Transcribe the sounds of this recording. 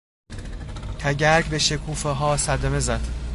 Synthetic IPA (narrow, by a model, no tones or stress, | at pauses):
t̪ʰæɟæɾɡbeʃekʰuːfeɦɒːsæd̪æme̞zæd̪̥